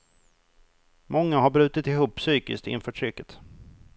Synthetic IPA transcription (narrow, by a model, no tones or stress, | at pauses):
mʔɔŋːaɦaɾbɾʉ̟ːt̪ɪt̪ɪɦuːpːsyːkɪ̰sk̚t̪ɪ̰nfœːʈʰɾʏkːət̪